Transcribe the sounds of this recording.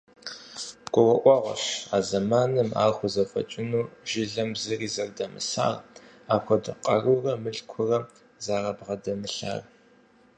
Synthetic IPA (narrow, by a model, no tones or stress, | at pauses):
ɡ̥ʷɔwɐʔʷɑːʁʷɔ̰ɕaːzɐmaːnɨma̰ːχʷʊzɐfɐ̰t͡ʃʼɪnuːʒɪɮɐmzɨriːzɐrdɐmɨ̰sa̰ːr | aːxʷʰɔdɨqʼɐrurɐmɨɬkʷʰʊrɐ | zaːʁɐbʁɐdɐmɨɬa̰ːr